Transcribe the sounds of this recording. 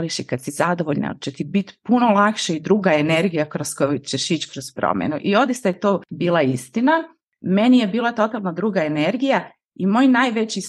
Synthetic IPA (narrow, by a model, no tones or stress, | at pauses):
liʃikad̪sizad̪oʋoʎna̰t͡ʃɛt̪ibit̪punolˠakʃeid̪ɾuːɡaeneɾɡijakɾoskojut͡ɕeʃit͡ɕkɾozpɾo̰mḛnuʔio̞d̪ist̪ajet̪oːbiːlˠaist̪ina | menije̞biːlˠat̪o̞t̪alˠnad̪ɾuːɡaeneɾɡija | imo̞ːjnaːjʋet͡ɕi